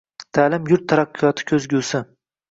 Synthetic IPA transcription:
t̪ʰaːlɪmjʊɾt̪ʰːaɾɑqːɨjɒt̪ʰɪ̥kʲʰɵzɡʲusɪ

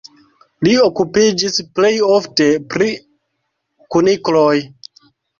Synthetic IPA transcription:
liokupid͡ʒisple̞jofte̞pɾi | kunikloj

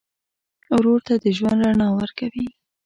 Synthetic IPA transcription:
ɾoɾt̪ad̪əʒwand̪ɾanɑwəɾkawi

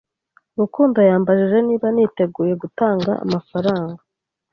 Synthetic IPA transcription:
umukuːndojaːmbaʒiʒe̞niːβanite̞ɡuːje̞ɡutaːŋɡa̰a̰mafaɾaːŋɡa

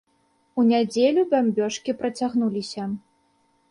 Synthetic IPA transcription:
unʲad͡zʲelʲubʲamʲbʲɔʂkʲipɾɐt͡sʲaɣnulʲisʲɐ

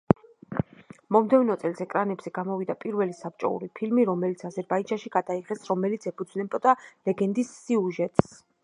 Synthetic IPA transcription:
mɔmd̪ɛvnɔt̪sʼɛlsɛkʼɾanɛbz̥ɛɡamɔvid̪apʼiɾvɛlisap̚t͡ʃʼɔ̰ṵɾipʰilmiɾɔmɛlit̪sʰazɛɾbaid͡ʒanʃiɡ̥ad̪aiʁɛsɾɔmɛlit̪sʰɛpʰud̪znɛbɔd̪alɛɡɛnd̪isːiuʒɛt̪ʼs

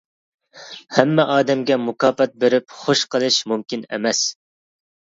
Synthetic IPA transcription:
hɛmːɛʔɑːd̪ɛmɡʲɛmʊkɑːpɛt̪̚beɾɪpχoʃqəlˠɨʃmumkʲinḛmɛs

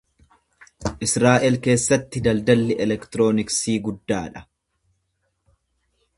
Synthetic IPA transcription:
ʔɪsɾaːʔɛlke̞ːsːɐt̪ːɪd̪ɐld̪ɐlːɛʔɛlɛkt̪ɪɾo̞ːnɪksiːɡʊd̪ːaːᶑɐ̥

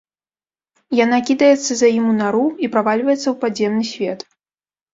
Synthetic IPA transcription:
jan̪akʲid̪ɐjɛt̪sːɐzʲajimunaɾuipɾavalʲvɐjɛt̪sːɐwpadzʲɛmnɨsʲvʲɛt̪

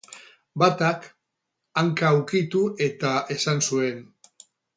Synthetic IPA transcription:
bat̪ak | aŋkawkit̪uʔe̞t̪aʔe̞sansue̞n

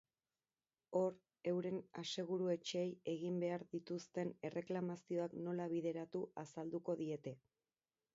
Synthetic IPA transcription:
o̞ɾ | e̞wɾe̞nase̞ɣuɾue̞t͡ʃeːje̞ɣ̞imbe̞aɾðit̪ust̪e̞ne̞rʔe̞klamasio̞akno̞laβ̞iðe̞ɾat̪uasald̪uko̞ðie̞t̪e̞

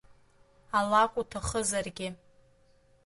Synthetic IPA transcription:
alakʷʼutʰaχəzarɡʲɪ

